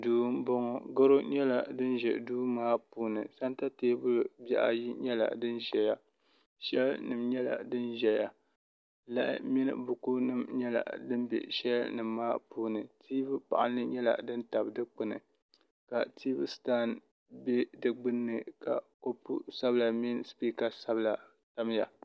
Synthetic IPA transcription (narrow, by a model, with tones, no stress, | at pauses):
duː˦bɔ˦ŋɔ˨ɡa˦ɾo˦ɲɛ˦la˨dɨ˦nʒɛ˨duː˦maː˦puː˦nɨ̰˨sa˦nta˦teː˦bʊ˦lbɛ̰˦ʔa̰˨ji˦ɲɛ˦la̰˨dɨ˦nʒɛ˨ja˦ | ʃɛ˦lnɨ˨mɲɛ˦la̰˨dɨ˦nʒɛ˨ja˨ | la˦ʔɪ̰˦mi˦nɨ̰˨bʊ˨ku˦nɨ˨mɲɛ˦la̰˨dɨ˦mbḛ˨ʃɛ˦lnɨ˨mːaː˦puː˦nɨ˨tʰiː˦bɨ˦pa̰˨ʔa˦nɨ˦ɲɛ˦la̰˨dɨ˦nta˨bdɨ˦k͡pɨ˨nɨ̰˨ | ka˨tʰiː˦bɨ˦staː˦n | bɛ˦dɨ˦ɡ͡bɨ˦nːɨ˨ka̰˨ko˦pṵ˦sa˦bla˨mi˦nspiː˦ka˨sa˦bla˨ | ta˦m˦ja̰˨